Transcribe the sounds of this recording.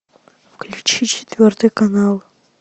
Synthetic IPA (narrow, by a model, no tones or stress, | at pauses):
vkʰlʲut͡ʃʰit͡ʃʰit̪vʲerd̪ʰɨkʼanalˠ